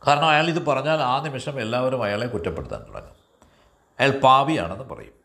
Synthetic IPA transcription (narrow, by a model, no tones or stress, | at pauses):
kaːɾɐɳɐmɐjaːɭiðɨpɐrɐɲːaːlaːnimɐʂɐme̞lːaːʋɐɾumɐjaːɭe̞kutːɐpːe̞ɽut̪ːa̰ːnt̪ṵɽɐ̰ŋːɐ | ɐjaːɭlpaːʋija̰ːɳe̞nːɨpɐ̰rɐ̰jum